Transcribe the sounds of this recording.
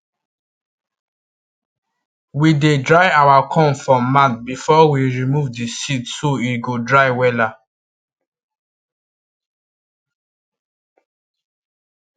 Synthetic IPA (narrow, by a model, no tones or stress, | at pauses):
widedɹaɪawakʰɔ̃nfɹɔ̃mːãt̪̚bifɔwiɹimuvdisidsoiɡodɹaɪwɛla